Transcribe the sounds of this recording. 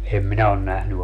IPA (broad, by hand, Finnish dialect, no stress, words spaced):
em minæ on næhny